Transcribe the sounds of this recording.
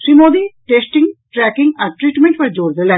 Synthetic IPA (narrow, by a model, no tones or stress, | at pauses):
ʃɾimoːd̪iʈeːsʈɪ̃ŋɡʈɾæːkɪ̃ŋɡaʈɾiːʈmẽɳʈʋɐɾd͡ʒoːɾd̪elɛ